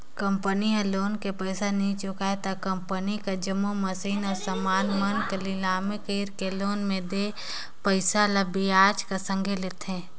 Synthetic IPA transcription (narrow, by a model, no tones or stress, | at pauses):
kə̃mpəniɦɛ̃loːnkepəɪsanĩt͡ʃʊkaet̪akə̃mpənikad͡ʒəmoməsiːnɔːɾsəmaːnmənkəlilaːmekiːɾkeloːnmẽd̪e | pəɪsaləbiaːt͡ʃkasə̃ŋɡʱelɪt̪ɦẽː